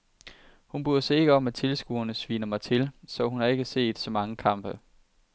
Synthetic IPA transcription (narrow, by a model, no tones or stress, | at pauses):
hunb̥uɐ̰sɒ̽e̝ɡ̥əɒ̽mæt͡sʰe̝lsɡ̥uɐnəsʋiːnɐmɑ̈ɪt͡sʰe̝lsɒ̽hunhɑ̈e̝ɡ̥əse̝̰ːd̥sɒ̽mɑ̈ŋəkʰɑ̈m̰b̥ə